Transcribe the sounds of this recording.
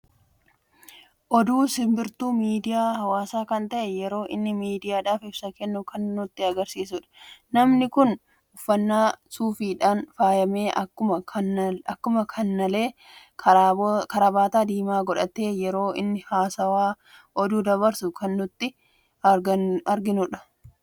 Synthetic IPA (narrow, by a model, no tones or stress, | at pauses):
ʔɔd̪uːsɪmbɪɾt̪uːmiːd̪ɪjaːhɐwaːsaːkɐnt̪ɐʔɛjɛɾo̞ːʔɪnːɪmiːd̪ɪjaːᶑaːfɪb̥sɐkɛnːʊkɐnːʊt̪ːɪɐɡɐɾsiːsʊᶑɐ̥nɐmnɪkʊn | ʊfːɐnːaːsuːfiːᶑaːnfaːjɐme̞ːʔɐkːʊɐɐkːʊmɐkʰɐnːɐle̞ː | kːkɐɾɐbaːt̪aːd̪iːmaːɡɔᶑɐt̪e̞ːjɛɾo̞ːɪ̰nːɪhaːsɐwaː | ʔɔd̪uːd̪ɐβɐɾsʊkʰɐnːʊt̪ːɪ | ɡɐɐɾɡɪnʊᶑɐ̥